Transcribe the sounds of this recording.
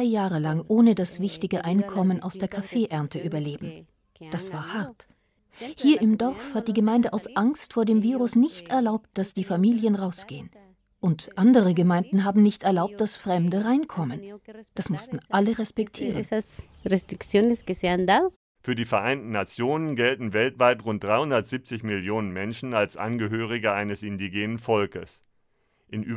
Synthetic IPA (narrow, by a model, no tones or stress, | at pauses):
aɪjaːʁəlaŋʔoːnədasv̥ɪçtɪɡəʔaɪnkʰɔmənʔaʊsd̥eːɐkʰafeːʔɛɐntʰəʔyːbɐleːbm̩ | d̥asv̥aːɐhaɐt | hiːɐʔɪmdɔʁfhat̚d̥iːɡəmaɪ̃ndəʔaʊsʔaŋstfoːɐdeːmviːʁʊsnɪçtʔɛɐlaʊpt̚d̥asd̥iːfamiːljənʁaʊsɡ̥eːən | ʔʊntʔandəʁ̞əɡəmaɪndn̩ɦaːbm̩nɪçtɛɐlaʊp̚t̚d̥asfʁ̥ɛmdəʁaɪnkʰɔmənd̥asmʊstn̩ʔaləʁɛspɛktʰiːʁəsas | rest̪ɾiksjoneskeseand̪aðo | fyːɐdiːfɛɐʔaɪntn̩nat͡sjoːnənɡɛltn̩vɛltv̥aɪtʁʊnt̚d̥ʁaɪhʊndɐtz̥ip̚t͡sɪçmɪljoːnənmɛnʃn̩alsʔa̰nɡəɦøːʁ̞ɪɡəʔaɪnəsɪndiɡeːnənfɔlkəs | ʔɪnʔyː